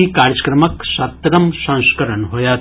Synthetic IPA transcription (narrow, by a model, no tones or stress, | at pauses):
ikaːɾjd͡ʒɐkɾɐmɐksɐt̪ɾɐmsɐ̃ŋskɐɾənɦojaː